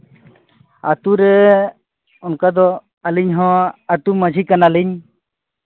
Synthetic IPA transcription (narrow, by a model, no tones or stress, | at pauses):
at̪uɾɛ | ɔnkad̪ɔ | aliɲɦɔ̃at̪umad͡ʒʱikanaliɲ